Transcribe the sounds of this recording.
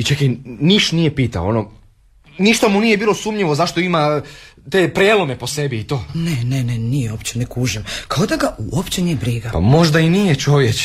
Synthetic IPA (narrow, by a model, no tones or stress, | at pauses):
it͡ʃekiniʃt̪nijepiːt̪a̰oono | niʃt̪amuniːje̞biːlosuːmɲiʋo̞zaʃt̪oimat̪eːpɾjeːlˠome̞posebiːt̪o̞ːnenenenijeopt͡ɕenekuːʒemkaod̪aɡauopt͡ɕeniebɾiɡapa̰mo̞ʒd̪ainijet͡ʃo̞ʋjet͡ʃ